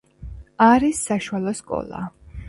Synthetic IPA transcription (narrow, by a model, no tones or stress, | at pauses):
aɾisːaʃualˠɔskʼɔ̰lˠa̰